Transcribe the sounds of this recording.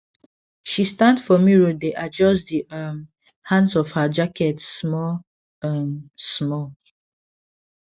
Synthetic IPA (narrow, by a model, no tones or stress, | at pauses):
ʃistãndfɔmiɹodeʔad͡ʒɔsdiʌm | hãndsɔfhad͡ʒakɛtsmɔ | msmɔ